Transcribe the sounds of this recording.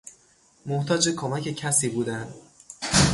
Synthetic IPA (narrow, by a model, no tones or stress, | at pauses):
moht̪ʰɒːd͡ʒekʰomæce̞cʰæsiːbuːd̪ænd̪